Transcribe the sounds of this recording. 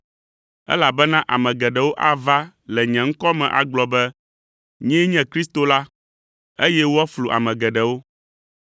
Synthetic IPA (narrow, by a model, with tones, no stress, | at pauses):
ɛ̰˦la˨bɛ˦nã˦ʔa˨mɛ̃˨ɡɛ˨ɖɛ˨wo˦ʔa˦va˦ | lɛ˨ɲɛ̃˨ŋ̩˦kɔ˦mɛ̃˨ʔa̰˨ɡ͡blɔ˨bɛ˦ | ɲɛ̃˦ɲɛ̃˦kɾi˦st̪o˨la˦ | e˦jɛ˦wo˦a˦flu˨ʔa̰˨mɛ̃˨ɡɛ˨ɖɛ˨wo˦